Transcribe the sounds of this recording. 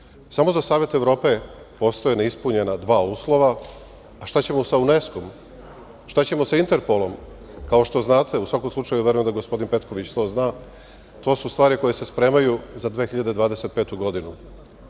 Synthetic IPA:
samo̞zasaːʋje̞t̪eʋɾo̞ːpe̞ | po̞st̪ojeneispuɲe̞nad̪ʋaːuːslˠo̞ʋaː | ʃt̪at͡ɕe̞mosaune̞skom | ʃt̪at͡ɕe̞mo̞saint̪eɾpo̞lˠo̞m | kao̞ʃt̪o̞znaːt̪ʰe̞usʋako̞mslˠut͡ʃajuʋe̞ɾujemd̪aɡo̞spo̞d̪inpe̞t̪ko̞ʋit͡ɕst̪o̞znaː | t̪o̞ːsust̪ʋaːɾiko̞jese̞spɾe̞ːmajuzad̪ʋe̞ːxiʎad̪e̞d̪ʋaːd̪eset̪̚pe̞ːt̪uɡo̞d̪inu

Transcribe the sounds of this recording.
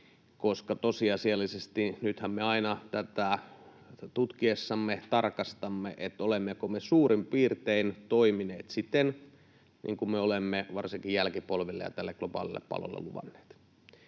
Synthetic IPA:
koskɑt̪osiɑsiɑlːisest̪inyt̪hæmmeɑinɑt̪æt̪æ | t̪ut̪kiesːɑmːet̪ɑrkɑst̪ɑmːeʔet̪ːolemːekomesuːrimpiːrt̪eint̪oimineːt̪sit̪ːen | nḭːŋkummeolemːeʋɑrsiŋkijjælkipolʋilːḛjɑ̰t̪ælːeklopɑ̰ːlḭlːḛppɑ̰lo̰lːḛluʋɑ̰nːˑe̥ːt̪

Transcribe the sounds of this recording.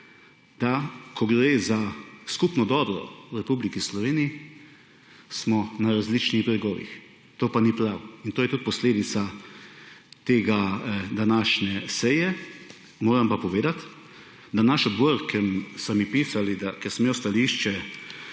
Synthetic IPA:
d̪akʰɔɡɾezaskupnɔd̪ɔːbɾɔ̰ɾɛpublikislɔʋeːnii | smɔnaɾazlit͡ʃniɣbɾɛɡɔːʋḭx | t̪oːpanipɾawint̪oːjɛt̪ut̪̚pɔsleːd̪it̪sa | t̪eːɡad̪anaːʃnɛsɛjɛ | moːɾampapɔʋeːd̪at̪ | d̪anaʃɔd̪bɔɾkɛmsamipiːsalid̪akɛɾsmeɔst̪aliːʃt͡ʃɛ

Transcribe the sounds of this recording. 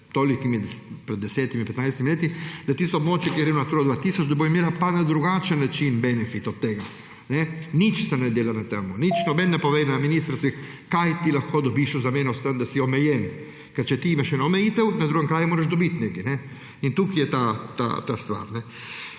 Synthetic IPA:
t̪olikimid̪pɾɛd̪ːɛsɛt̪imipɛt̪najst̪iminɛt̪id̪̥at̪ist̪obmɔt͡ʃjɛkiɾɛunat̪uːɾad̪vat̪isot͡ʃd̪abujmjeɾapanad̪ɾuɡat͡ʃɛnːət͡ʃinbɛnɛfit̪ɔd̪̚t̪ːɛɡa | nɛnit͡ʃsɛnɛd̪eːlanat̪ɛmonit͡ʃnɔbɛnːɛpovɛnaminist̪ɾsi | kajt̪ilaxkod̪obiʃuzamɛnost̪ɾənd̪asiomɛjɛn | kəɾt͡ʃɛt̪iimɛʃɛnɛomɛit̪ɛwnad̪ɾuɡəŋkɾaːjumoːɾɛʃd̪obit̪nɛkinɛ | int̪ukːijɛt̪at̪a̰t̪ast̪ʋa̰ɾnɛ

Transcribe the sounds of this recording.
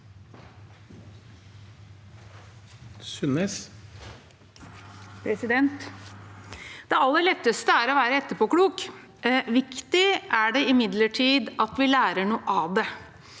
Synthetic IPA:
sʉnes | pʰɾɛsɪd̪ɛnt̪ | d̪̥ɛɑlːəɭɛt̪ːəst̪əæɾɔʋæːɾəɛt̪ːəpʰɔkɽuːk | ʋɪkt̪ɪʔæɖɛɪmɪd̪ləʈʰiːd̪ɑt̪ʋɪlæːɾəɳuːʔɑd̪ɛ

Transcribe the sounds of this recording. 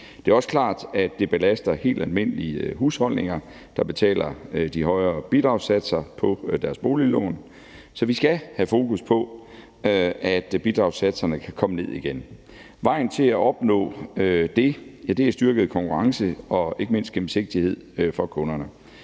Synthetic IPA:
d̥e̝æɐɒ̽sə̥kʰlɑ̰̈ːd̥æd̥ːe̝b̥e̝læsd̥ɐhe̝̰ːld̥ælme̝n̰əlihushɒ̽l̰ne̝ŋɐ | d̥ɑ̈b̥e̝t͡sʰɛ̰ːlɐd̥iɦɒ̽ɪɐːb̥id̥ʁɑ̈ʊsæd̥sɐpʰɒ̽d̥æɐsb̥o̝ːlilɔ̰ːn | sɒ̽ʋisɡ̥æhæfo̝ːkʰuspʰɒ̽ | øæd̥b̥id̥ʁɑ̈ʊsæd̥sɐnəkʰækʰɒ̽məne̝ð̞̰ˠiɡ̥en | ʋɑ̈ɪ̰n̩t͡sʰe̝læʔɒ̽b̥nɔ̰̽ːd̥e̝jæd̥e̝æɐsd̥yɐɡ̥ð̩ˠkʰɒ̽ŋkʰuʁɑ̈ŋsəɒ̽e̝ɡ̥əme̝n̰sd̥ɡ̥em̩se̝ɡ̥̚d̥ihe̝ð̞̰ˠfɒ̽kʰɔ̽nɐnə

